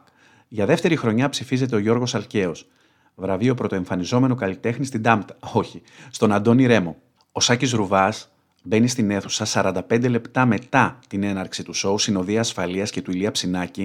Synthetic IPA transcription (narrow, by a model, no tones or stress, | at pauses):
ʝɐðe̞ft̪e̞ɾixɾo̞ɲɐpsifize̞t̪̬e̞o̞ʝo̞ɾɣo̞sɐlce̞o̞s | vɾɐvio̞pɾo̞t̪o̞e̞ɱfɐnizo̞me̞no̞kɐlit̪e̞xnist̪ind̪ɐmt̪ɐo̞çist̪o̞nɐnd̪o̞niɾe̞mo̞ | osɐcizɾuvɐs | be̞nist̪ine̞θu̥sɐsɐɾɐnd̪ɐpe̞nd̪e̞le̞pt̪ɐme̞t̪ɐt̪ine̞nɐɾksit̪uso̞usino̞ðiɐːsfɐliɐsce̞t̪uiliɐpsinɐci